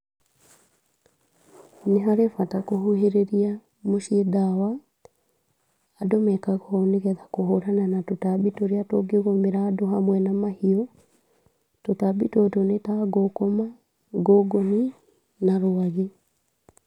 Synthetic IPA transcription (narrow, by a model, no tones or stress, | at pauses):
neɦaɾefatakoɦoɦeɾeɾia | moʃedawa | domɛkaɣɔoneɣɛðakohoɾananatotabitoɾeatoɡeɣomeɾaːdoɦamwɛnamahiɔ | totabitotonetaɡokoma | ɡoɡoni | naɾoaɣe